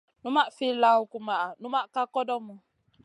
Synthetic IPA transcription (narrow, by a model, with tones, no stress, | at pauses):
nu˦ma˦ʔfi˦la˦ʊ˦ku˦ma˨a˨nu˦ma˦ka˦kɔ˦dɔ˦mɔ˨